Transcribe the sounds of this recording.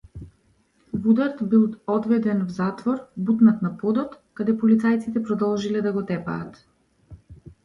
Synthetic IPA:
vud̪aɾt̪bilˠɔd̪vɛd̪ɛnvzat̪vɔɾbut̪nat̪napɔd̪ɔt̪kad̪ɛpɔlit̪sajt̪sit̪ɛpɾɔd̪ɔlˠʒilɛd̪aɡɔt̪ɛpa̰ːt̪

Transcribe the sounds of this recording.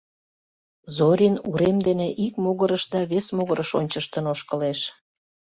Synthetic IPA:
zoɾʲinuɾemd̪eneʔikmoɣəɾəʃd̪ɑβesmoɣəɾəʃo̰nʲt͡ɕəʃt̪ənoʃkəleʃ

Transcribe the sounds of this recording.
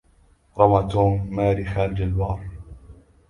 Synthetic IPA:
ɾˤɑmat̪uːmːaːɾixaːld͡ʒalbɑːɾˤ

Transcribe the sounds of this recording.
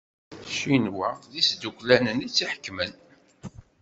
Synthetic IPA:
ʃinwæðisd̪ukʷlænənit͡sːiħə̥kːmən

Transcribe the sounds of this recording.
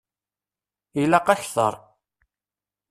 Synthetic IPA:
ilaqɑçθə̰ɾˤ

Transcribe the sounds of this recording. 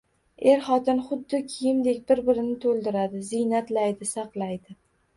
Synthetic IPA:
e̞ɾχɒt̪ɪnχʊd̪ːɪkʲʰɪjɪmd̪ekʲbɪɾbɪɾɪnɪt̪ʰolˠd̪ɪɾad̪ɪzɪjnat̪lajd̪ɪsɑqlˠajd̪ɪ

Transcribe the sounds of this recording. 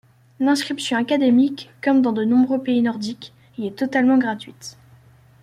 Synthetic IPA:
lɛ̃skχipsjɔ̃akad̪emikːɔmd̪ɑ̃d̪ənɔ̃bʁøpeinɔʁd̪ik | iɛt̪ɔt̪almɑ̃ɡʁat̪ɥit̪

